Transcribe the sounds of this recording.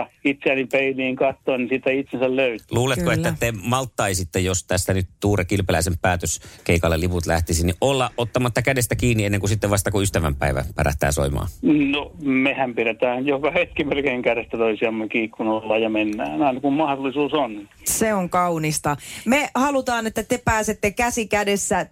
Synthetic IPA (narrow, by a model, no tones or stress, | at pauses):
it̪seænipeiliːŋkɑt̪ːoːnnisit̪æit̪sensælløyt̪luːlet̪koetːæt̪ːemɑlt̪ːɑisit̪ːejost̪æst̪ænyt̪t̪uːrekilpelæˑisempæːt̪øskeikɑlːeliput̪læht̪isiniʔʔolːɑʔʔot̪ːɑmɑt̪ːɑkædest̪ækiːnːienːeŋkusit̪ːeʋɑst̪ɑkuyst̪æʋæmpæiʋæ̰pæ̰ræ̰ht̪æ̰ːso̰imɑ̰ːnomehæmpiɾet̪æːnjokɑhet̪kimerkeiŋkærest̪æt̪oisiɑmːekiːkːunolːɑːjjɑmenːæːnɑinɑkummɑhdolːˑisuːson | seoŋkɑunist̪ɑmehɑlut̪ɑːnet̪ːæt̪epæːset̪ːekæsikædesːæ